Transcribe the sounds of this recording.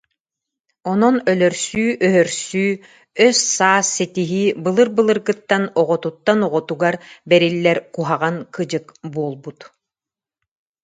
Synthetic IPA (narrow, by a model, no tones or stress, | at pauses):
ɔnɔnœlœɾsyːʔœɦœɾsyː | œsːaːsːɛt̪iɦibɯlˠɯɾbɯlˠɯɾɡɯt̪ːanɔʁɔt̪ut̪ːanɔʁɔt̪uɡaɾbɛɾilːɛɾkuɦaʁaŋkɯd͡ʑɯkbuɔlˠbut̪